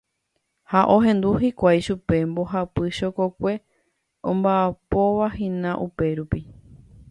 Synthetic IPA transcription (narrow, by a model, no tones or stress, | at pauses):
haʔõɦẽ̞nd̪uɦikʷajʃupe̞mbo̞ɦapɨʃokokʷe̞ | õmbaapo̞ʋaɦĩnãʔupe̞ɾupi